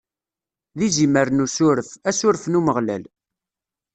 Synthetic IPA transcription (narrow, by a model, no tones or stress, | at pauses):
ðiziməɾnusʊɾəfæsʊɾəfnuməʁlæ̰l